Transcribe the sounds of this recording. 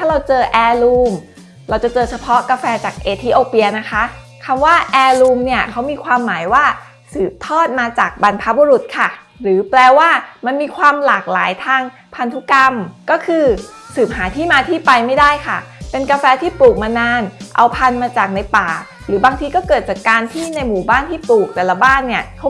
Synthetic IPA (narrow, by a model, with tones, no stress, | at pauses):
t̪ʰaː˥˩ɾa˧wt͡ɕɤː˧ʔɛː˧luː˧m | ɾa˧wt͡ɕa˨˩t͡ɕɤː˧t͡ɕʰa˧pʰɔ˦˥kaː˧fɛː˧t͡ɕaː˨˩k̚ʔeː˧t̪ʰiː˧ʔoː˧pi˧ɐna˦˥kʰa˦˥ | kʰa˧mwaː˥˩ʔɛː˧luː˧mni˥˩ɐkʰa˦˥wmiː˧kʰwaː˧mːaː˩˦jwaː˥˩ | sɯː˨˩p̚t̪ʰɔː˥˩t̪̚maː˧t͡ɕaː˨˩k̚ba˧npʰa˦˥bo˧ɾu˨˩t̪̚kʰa˥˩ | ɾɯː˩˦plɛː˧waː˥˩ma˧nmiː˧kʰwaː˧mlaː˨˩k̚laː˩˦jt̪ʰaː˧ŋ | pʰa˧nt̪ʰu˦˥ka˧mkɔː˥˩kʰɯː˧ | sɯː˨˩p̚haː˩˦t̪ʰiː˥˩maː˧t̪ʰiː˥˩pa˧jma˥˩jda˥˩jkʰa˥˩pe˧nkaː˧fɛː˧t̪ʰiː˥˩pluː˨˩k̚maː˧naː˧nʔa˧wpʰa˧nmaː˧t͡ɕaː˨˩k̚na˧jpaː˨˩ | ɾɯː˩˦baː˧ŋt̪ʰiː˧kɔː˥˩kɤː˨˩t̪̚t͡ɕaː˨˩kːaː˧nt̪ʰiː˥˩na˧jmuː˨˩baː˥˩nt̪ʰiː˥˩pluː˨˩k̚t̪ɛː˨˩la˧baː˥˩nːi˥˩ɐkʰ